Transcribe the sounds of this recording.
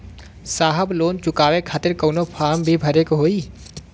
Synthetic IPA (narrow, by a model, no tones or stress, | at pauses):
saːɦəbloːnt͡ʃʊkaːʋekʰaːt̪ɪɾkɔːnopʰaːɾmbʱibʱɐɾekɦoːiː